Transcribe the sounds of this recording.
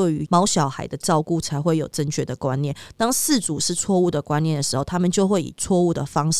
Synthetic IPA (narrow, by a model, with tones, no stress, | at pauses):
e˥˩ɪy˧˥mɑ˨˥ʊɕjɑ˨˩ʊxa˨˩ɪd̪ə˨ʈ͡ʂɑ˥˧ʊku˥˩t͡sʰa˧˥ɪxwe˥˩ɪjo˨˩ʊʈ͡ʂə˥˧nt͡ɕʰɥɛ˥˩d̪ə˩kwa˦njɛ˥˨nt̪ɑ˥ŋsɹ̩˥˨t͡su˨˩ʂɻ̩˥˧t͡sʰwɔ˥˧u˥˩d̪ə˩kwa˦njɛ˥˩nd̪ə˩ʂɻ̩˧˥xo˥˩ʊt̪ʰa˥mə˨nt͡ɕjo˥˧ʊxwe˥˩ɪḭ˨˩t͡sʰwɔ˥˧u˥˩d̪ə̰˩fɑ˥ŋʂ